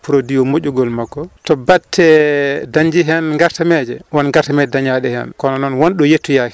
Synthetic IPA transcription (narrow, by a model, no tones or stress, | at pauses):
puɾodijɔmoʄuɡɔlmaɡːɔtɔbatʰːɛdaɲd͡ʒiɦɛnŋɡaɾtamɛd͡ʒɛwɔnŋɡaɾtamɛd͡ʒɛdaɲaɗɛhɛ̰nkɔnanɔnwɔnɗɔjetːujaki